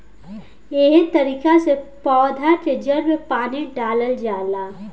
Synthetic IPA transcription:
jeɦit̪ɐɾiːkasepɔːd̪ʱaʈɾed͡ʒəɾmẽpaːniɖaːləld͡ʒaːlaː

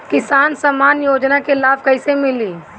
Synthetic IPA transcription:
kɪsaːnsəmaːnjoːd͡ʒnakelaːb̚ʱkəɪsemɪliː

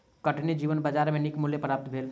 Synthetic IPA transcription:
kəʈnid͡ʒiːʋənbəd͡ʒaːɾmẽnɪkmʊljepɾaːp̚t̪bʱeːl

